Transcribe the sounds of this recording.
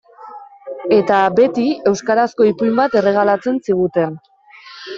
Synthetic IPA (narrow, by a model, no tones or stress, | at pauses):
e̞t̪abe̞t̪ie̞wskaɾasko̞ipumbat̪e̞re̞ɣ̞alat͡se̞nsiɣ̞ut̪e̞n